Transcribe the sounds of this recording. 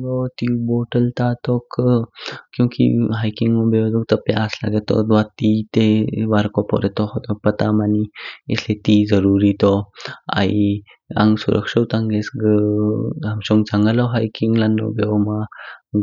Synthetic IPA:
ɡɔt̪iwbɔʈəlt̪at̪ɔk | kjũwkḭɦajkiŋmɔbed̪ɔŋt̪əpa̰asla̰ɡet̪ːɔ̰d̪ʋat̪it̪eʋaɾkɔpɔ̰ɾɛt̪ɔhɔt̪ɔpət̪amaniɛ̰slet̪id͡zəɾuɾit̪ɔa̰i | ã̰ŋɡsṵɾʔə̰kʂəwt̪ãŋɡesɡə | amɕɔŋɡt͡saŋɡalɔɦajkiŋɡlanːɔ̰beɔma

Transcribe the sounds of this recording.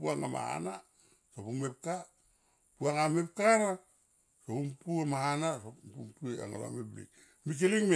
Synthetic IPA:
puaŋama̰ha̰na | sopumep̚ka | puaŋamep̚kana | sopumpuamahanasompumpuea̰ŋa̰la̰meblḭ | mik̬iliŋme

